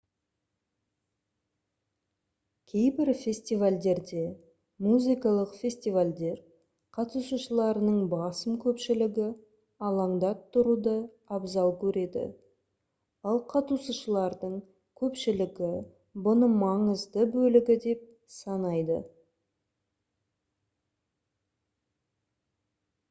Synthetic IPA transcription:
kʲʰe̞jbɪɾfʲe̞sʲt̪ijvalʲd̪e̞ɾd̪e̞ | muzijkɑlˠəqfʲe̞sʲt̪ijvalʲd̪e̞ɾ | qʰɑt̪usəʃəlˠɑɾənəɴbɑsəmkʲʰɵpʃɪlɪɡʲɪ | ɑlˠɑɴd̪ɑt̪ʰːʊɾud̪ə | ɑbzɑlˠkʲʰɵɾe̞d̪ɪ̰ | ɑlˠqʰɑt̪usəʃəlˠɑɾd̪əɴ | kʲʰɵpʃɪlɪɡʲɪ | bʊnəmɑɴəzd̪əbɵlɪɡʲɪd̪e̞p̚ | sɑnɑjd̪ə̰

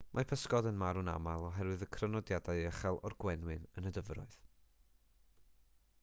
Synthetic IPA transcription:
mʔapʰəskɔdənmaɾʊna̰malˠɔɦɛɾwɨðəkʰrənɔdjadaɨɛχɛlˠɔ̰rɡwɛnwɨnənədəvrɔ̰ɨð̥

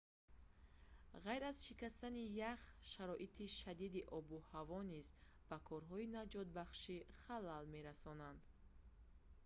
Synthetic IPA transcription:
ʁajɾazʃikast̪anijaχʃaɾɔʔit̪ʰiʃad̪id̪iʔɔbuhavɔniz | b̥akʰɔɾɦɔinad͡ʒɔt̪̚baχʃiχalːalme̞ɾasɔnand̪

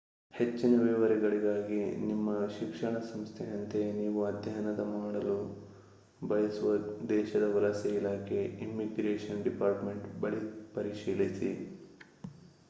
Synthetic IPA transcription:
he̞t͡ʃːinɐʋɛːʋɐɾɛɡɐɭiɡaːɡinimːɐʃikʂɐɳɐsɐmst̪ʰɛjɐnt̪e̞niːʋuɐd̪ʱjɐɦɐnɐd̪ɐmaːɽɐlu | bɐjɐsuʋɐd̪ɛːʃɐd̪ɐʋɐɾɐsɐilaːkʰe̞imːiɡɾeːʂɐnɖipaːɾʈme̞ɳʈbɐɭipɐɾiʃiːlisi

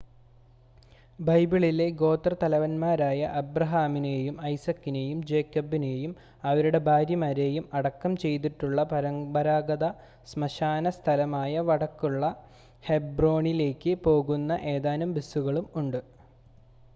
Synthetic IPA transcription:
bɐjbiɭile̞ɡo̞ːt̪rɐt̪ɐlɐʋɐnmaːɾaːjɐʔɐbrɐɦaːminejumɐjsɐkːine̞jumd͡ʑe̞ːkːɐbine̞jum | ɐʋɐɾuɽe̞bʱaːɾjɐmaɾe̞ːjumɐɽɐkːɐmt͡ɕe̞jt̪̬iʈːuɭːɐpɐɾɐmbɐɾaːɡɐðɐ | smɐɕaːnɐst̪ʰɐlɐmaːjɐʋɐɽɐkːuɭːɐ | he̞bro̞ːɳile̞ːkʲːɨpo̞ːɣunːɐʔe̞ːðaːnɐmbisːuɣɐɭumuɳɖɨ

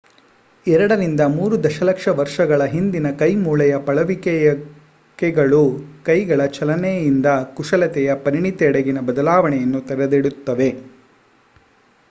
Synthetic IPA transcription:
ɛɾɐɽɐɾind̪ɐmuːɾud̪ɐʃɐlɐkʂɐʋɐɾʂɐɡɐɭɐɦind̪inɐkɐjmuːɭɐjɐpɐɭɐʋikɛɐ | kɛɡɐɭukɐjɡɐɭɐt͡ʃɐlɐnɛjind̪ɐkuʂɐlɐt̪ɛjɐpɐɾiɳit̪ɛɛɽeɡinɐbɐd̪ɐlaːʋɐɳɛjɐnːut̪ɐɾed̪iɽut̪ːɐʋe̞

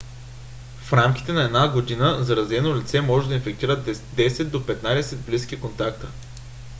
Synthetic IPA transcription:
fɾamkʲi̥t̪ɛnɐɛd̪naɡod̪inəzɐɾɐzɛnolʲit̪sɛmɔʒɛd̪ɐinfɛk̚t̪iɾət̪d̪ɛsɛd̪̚d̪opɛt̪nad̪ɛsɛd̪̚blisk̟ikont̪akt̪ə

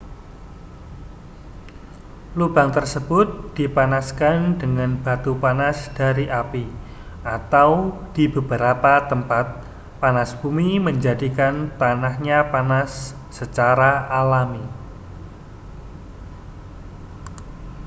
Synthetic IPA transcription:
lub̥aŋt̪ərsəb̥ʊt̪̚d̪̥ipanaskandəŋanb̥at̪upanasd̥aɾiʔapi | ʔat̪awd̥ibəb̥əɾapat̪əmpat̪̚ | panasb̥umiməɲd͡ʒadikant̪anahɲapanasː | ət͡ʃaɾaalami

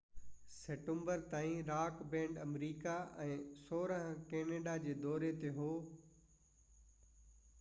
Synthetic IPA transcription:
seːʈə̃mbəɾt̪aːĩɾaːkbɛ̃ːɳɖɐmɾiːkaʔɛ̃ːsoːɾəɦə̃keːneːɖad͡ʑeːd̪ɔːɾet̪eɦoː

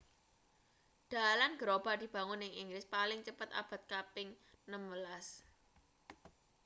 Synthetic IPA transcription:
d̪̥a̤lanɡ̥əɾob̥a̤d̪̥i̤b̥a̤ŋʊnɪŋiŋɡlɪspalɪŋt͡ʃəpət̪a̰b̥a̤t̪̚kapɪŋnəmwəlas

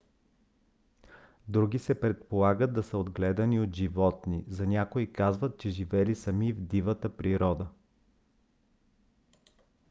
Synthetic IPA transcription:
d̪ɾuɡʲisɛpɾɛt̪polˠaɡəd̪̚ːɐsəod̪ɡlɛd̪əniot̪ʒivɔt̪nizɐnʲakoikazvət̪̚t͡ʃɛʒivɛlisɐmivd̪ivət̪əpɾiɾɔd̪ə

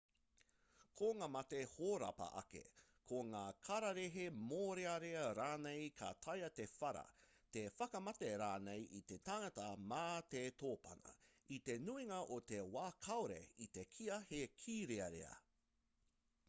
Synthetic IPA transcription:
kʰoŋaːmɐtehoːɾɐ̰pɐ̰ʔɐ̰kḛ | kʰoŋaːkʰɐɾɐɾeɦemoːɾeɐɾeɐɾaːnejkʰa̰t̪ʰɐjɐt̪efɐɾɐ̰ | t̪efɐkɐmɐteɾaːnejʔit̪etaŋɐtɐmaːt̪etʰoːpɐ̰nɐ̰ | it̪e̞nuiŋɐʔot̪ewaːkʰɐwɾḛit̪ekʰiɐhekʰiːɾeɐɾḛɐ̰

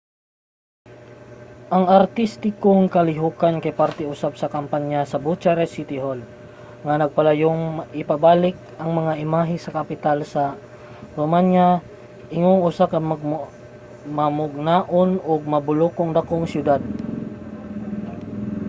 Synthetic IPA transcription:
ʔaŋart̪ist̪ikoŋkaliɦukankajpart̪iusap̚sakampaɲasabut͡ʃaɾɛsit̪iɦɔl | ŋanaɡ̚palajuŋipabalik̚aŋmaŋaimaɦisakapit̪alsa | bumanɲa | iŋʊŋusaka | mamuɡ̚naʔʊnʊɡ̚mabulukʊŋd̪akʊŋsjud̪ad̪̚

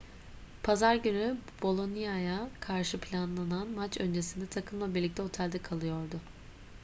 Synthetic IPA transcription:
pʰazaɾɟynyb̥o̞lˠo̞nijajakʰaɾʃɯpʰlʲanlˠananmat͡ʃø̞nd͡ʒe̞sind̪ɛt̪ʰakʰɯmlˠabiɾlʲict̪ɛo̞t̪ʰælʲd̪ɛkʰalˠɯjo̞ɾd̪ʊ

